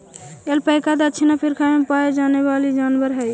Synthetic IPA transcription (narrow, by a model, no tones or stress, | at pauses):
elpəɪkad̪əːt͡ʃʰinapʰiɾkʰamepaed͡ʒanebalid͡ʒanbəɾɦəj